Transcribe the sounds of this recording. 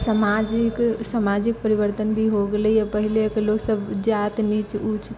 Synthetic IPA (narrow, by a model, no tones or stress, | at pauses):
samad͡ʒiksamad͡ʒik̚pəɾibəɾt̪ənbʱiɦoɡeləiapəɦilekeloksəbd͡ʒat̪nit͡ʃut͡ʃʰ